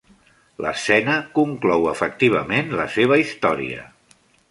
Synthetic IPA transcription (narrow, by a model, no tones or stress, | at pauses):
ləsɛnəkuŋklɔwəfək̚t̪iβ̞əmenləseβ̞əist̪ɔɾḭə̰